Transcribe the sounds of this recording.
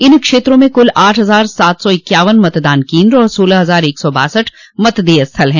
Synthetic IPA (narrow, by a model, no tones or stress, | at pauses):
ɪnkʃeːt̪ɾõmẽkʊlaːʈʰɦɐzaːɾsaːt̪ʰsɔɪkːjaːʋənmɐt̪d̪aːnkĩːnd̪ɾɔːɾsoːlaɦɐzaːɾeːksɔba̰ːsəʈʰ | mɐt̪d̪eːɐst̪ʰəlɦɛ̃ː